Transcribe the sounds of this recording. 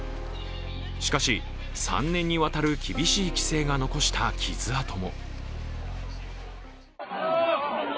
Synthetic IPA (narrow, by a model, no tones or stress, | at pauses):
ɕi̥kaɕi | sã̰nːẽ̞ɲ̟ːiβat̪aɾɯ̟kʲibʲiɕiːkʲi̥se̞ːɡano̞ko̞ɕi̥t̪ʰakʲʰiz̥ɨat̪o̞mo̞